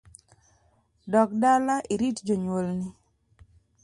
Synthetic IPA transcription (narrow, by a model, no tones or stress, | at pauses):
dɔk̚dalaʔiɾitd͡ʒoɲwolni